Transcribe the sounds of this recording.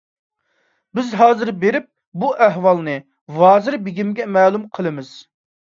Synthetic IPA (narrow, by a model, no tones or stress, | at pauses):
bɪzɦɑːzɨɾbeɾɪp̚ | buʔɛɦwɑlˠnɨ | vɑːzɨɾbiɡʲimɡʲɛmɛːlˠumqʰəlˠɨmɪz̥